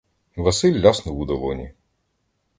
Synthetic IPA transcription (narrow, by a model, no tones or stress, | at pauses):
ʋɐsɪlʲːɑsnʊʋud̪ɐlˠɔnʲḭ